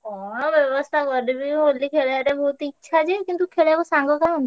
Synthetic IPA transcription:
ɔbjɔbɔst̪ʰakɔɾd̪ibiɦolːikʰeɭeaɾebɔɦut̪itːʃʰad͡ʒekint̪ukʰeɽebɔsaŋɡɔkan

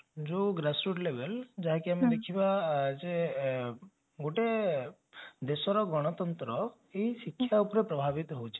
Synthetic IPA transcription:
d͡ʒuɡɾasɾuʈlebeld͡ʒaɦekiamid̪ekʰibad͡ʒe | ɡoʈe | d̪esɔɾɔɡɔɽ̃ɔt̪ɔnt̪ɾɔ | ejsikʰːjaupɔɾepɾɔbʱabit̪ɔɦowt͡ʃʰi̥

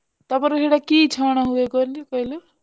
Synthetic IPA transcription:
t̪ʌpʌɾɦeɽakit͡ʃʰʌɽ̃aɦueɡʌɾlokʌɦilo

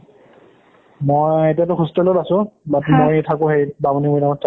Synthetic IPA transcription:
mojetijatʊxustɔlolasʊ̃batmojtʰakʊ̃xejbabɔnimɔjdamɔtʰ

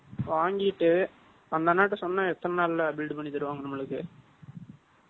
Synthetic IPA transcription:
ʋaːŋɡɪʈːɯ | ɐnd̪ɐnaːʈ̬ːɐsɔnːaːɛt̪ːɐnɐnaːllɐbɪlɖɯpɐɳːit̪ɐɾɯʋaːŋɡɐnɐmːɐɭɯkːɯ

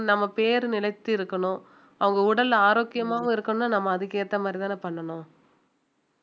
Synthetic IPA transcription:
nɐmːɐpeːɾɯnɪlɐɪt̪ːɯɪɾɯkːɐɳʊ̃ | ɐʋɐŋɡɐʊɽɐlaːɾoːkːɪjɐmaːʋʊ̃ɪɾɯkːɐnʊ̃nːaːnɐmːɐːðɯkeːʈt̪ːɐmaːd̪ɾit̪aːnepɐɳːɐɳʊ̃

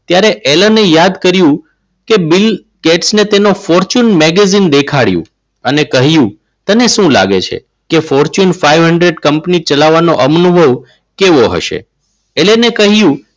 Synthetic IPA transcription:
t̪jaɾeʔelənejad̪kəɾjũ | kebil | keʈsnet̪enofɔɾt͡ʃunmɛɡezind̪ekʰaɽjṵ̃ | ənekəɦijũ | t̪əneʃũla̰ɡet͡ʃʰḛ | kefɔɾt͡ʃunfaiʋɦəɳɖɾeɖkəmpnit͡ʃəlaʋːanoʔəmnubʱəʋ | keʋoɦə̰ʃḛ | elenekəɦjũ

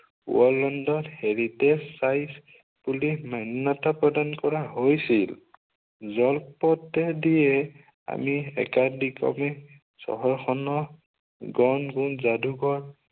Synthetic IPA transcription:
ṵɔlɔndɔtheɹitɛsajs | bulimannatapɹɔdankɔɹaɦojsil | zɔlpɔtɛdijɛ | a̰miɛ̰kadikɔ̰mɛ | sɔ̰ɦɔɹxɔnɔ | ɡɔnɡunzaduɡɔɹ

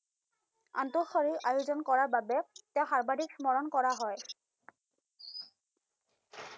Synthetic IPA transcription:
a̰ntʊxɔɹiɹʔajʊzɔnkɔɹaɹbabɛtɛʊxaɹbadʱiksmɔɹɔnkɔɹaɦɔj

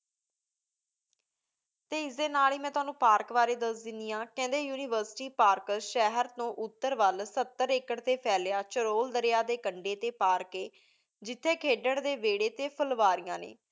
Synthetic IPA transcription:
t̪eːɪsd̪eːnaːliːmɛ̃ːt̪ʊaːnũːpaːɾkʋaːɾeːd̪əsd̪ɪnd̪ijãːkɛ̃ːnd̪eːjuːnɪːʋəɾsʈiːpaːɾkəʃɛːɦəɾt̪õːʔʊt̪ːəɾʋəlsət̪ːəɾeːkəɽt̪eːpʰɛːljaːt͡ʃəɾoːld̪əɾejaːd̪eːkəɳɖeːt̪eːpaːɾkeː | d͡ʒɪt̪ʰːeːkʰeːɖəɳd̪eːʋeːɽeːt̪eːpʰəlʋaːɾijãːnḛː

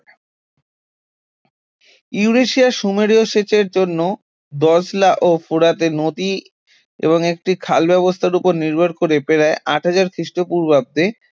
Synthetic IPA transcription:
iuɾeʃiaʃumeɾioʃet͡ɕeɾd͡ʑonːo | d̪ɔslaʔofuɾat̪enot̪i | ḛboŋek̚ʈikʰalbɛβost̪ʰaɾupoɾniɾbʱaɾkoɾepeɾaeʔaʈɦad͡ʑaɾkɾiʃʈopuɾbab̚d̪e

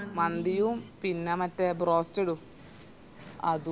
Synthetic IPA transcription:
mɐnd̪ijumpinːemɐtːebroːstɐɽu | ɐ̰ðu

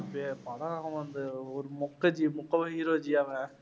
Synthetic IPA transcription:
pepɐɽɐ̃aɐ̃ʋɐnd̪ɯɔɾɯmʊkːɐd͡ʒimʊkːɐʋɐɦiɾoːd͡ʒiaʋɛ̃

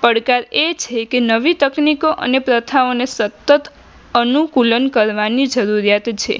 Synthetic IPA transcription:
pəɽkaɾet͡ʃʰekenəʋit̪əknikoʔə̰nepɾət̪ʰaonesət̪ːət̪ | ənukulənkəɾʋanid͡ʒəɾuɾjat̪t͡ʃʰḛ

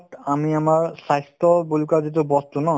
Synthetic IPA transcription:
t̪amiamaɹsajst̪ɔbulkazit̪̬ubɔst̪unɔ

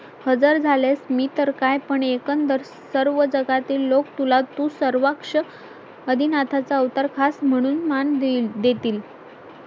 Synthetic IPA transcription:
həd͡zəɾd͡zʱalesmiːt̪əɾkajpəɳekənd̪əɾ | səɾʋəd͡zəɡat̪iːlːokt̪ulat̪usəɾʋakʂə | əd̪ʱinat̪ʰat͡saəʋt̪əɾkʰasm̤əɽ̃uːnmand̪d̪et̪iːl

